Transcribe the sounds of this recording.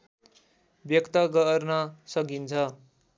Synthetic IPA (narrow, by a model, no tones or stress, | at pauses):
bjʌkt̪ʌɡʌrnʌsʌkint͡sʰʌ